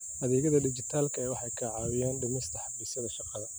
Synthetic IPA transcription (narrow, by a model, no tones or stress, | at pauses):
ʔɐðɛːɣɐðɐɖɪt͡ʃɪt̪ʰaːlkʰɐɛjwɑħɑjkʰɐʕɑːwɪjɛːnɖʊmɪst̪ʰɐħɑbiːsɐðɐʃɑqɑðɐ